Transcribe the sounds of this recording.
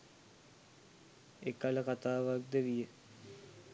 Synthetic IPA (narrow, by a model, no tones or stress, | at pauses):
ekaləkat̪aːʋak̚d̪eʋijə